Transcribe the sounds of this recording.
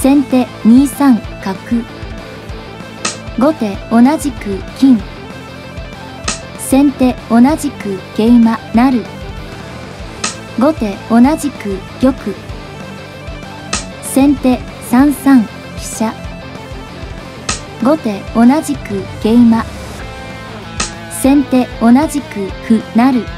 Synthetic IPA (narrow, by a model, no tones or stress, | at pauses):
sẽ̞nt̪e̞ɲ̟iːsãŋkakɯ̟ | ɡo̞t̪e̞o̞naʑikɯ̟kʲĩŋ | sẽ̞nt̪e̞o̞naʑikɯ̟ɡ̥e̞imanaɾɯ̟ | ɡo̞t̪e̞o̞naʑikɯ̟ɡ̥ʲo̞kɯ̟ | sẽ̞nt̪e̞ | sãɰ̃sãŋʲ | i̥ɕa | ɡo̞t̪e̞o̞naʑikɯ̟ɡ̥e̞ima | sẽ̞nt̪e̞o̞naʑikɯ̟hɯ̟naɾɯ̟